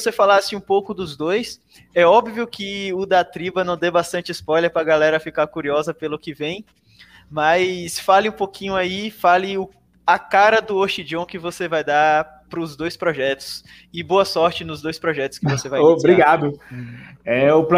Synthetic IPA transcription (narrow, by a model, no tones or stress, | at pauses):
osefalasɪũpowkʊd̪ʊzd̪ojs | ɛɔbviʊkɪʊd̪ɐt̪ɾibɐnɐ̃w̃d̪ewbast̪ɐ̃nt͡ʃɪspɔjleɾpɾɐɡalɛɾɐfikaɾkuɾiɔzɐpelʊkɪvẽj̃ | mɐsfalɪũpokʰĩɲʊaifalɪʊ | ɐkaɾɐd̪ʊoɾt͡ʃid͡ʒõw̃kɪvosevajd̪a | pɾʊzd̪ojspɾɔʒɛt̪ʊ̥s | ɪboɐsɔɾt͡ʃɪnʊzd̪ojspɾɔʒɛt̪ʊ̥skɪvosevajbɾiɡad̪ʊ | ɛʊpl